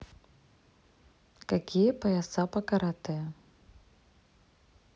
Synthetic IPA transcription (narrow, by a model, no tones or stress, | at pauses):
kakʲijɐpɐjasapɐkaɾat̪ɨjɐ